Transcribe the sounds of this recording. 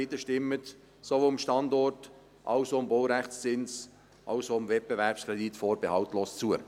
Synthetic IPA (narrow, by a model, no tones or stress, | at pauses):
ɪtəʃtɪmːət | sovomʃtɑndɔrt | ʔɑʊsoʊmboʊɾæχtst͡sɪns | ʔɑʊsoʊmvɛt̚b̥evɛɾpskʁɛditfoːɾb̥ɛhɑʊtloːst͡suə